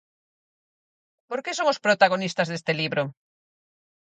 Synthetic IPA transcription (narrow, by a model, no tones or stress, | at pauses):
poɾkesomospɾot̪aɣ̞onist̪azðest̪eliβɾʔo